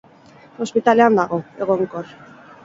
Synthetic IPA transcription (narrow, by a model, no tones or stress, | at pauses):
o̞spit̪ale̞and̪aɣo̞e̞ɣo̞ŋko̞r